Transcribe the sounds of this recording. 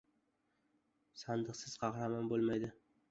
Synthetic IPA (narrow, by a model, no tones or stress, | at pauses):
sand̪ɨqsɪz̥qʰɑχɾamanbolˠmajd̪ɪ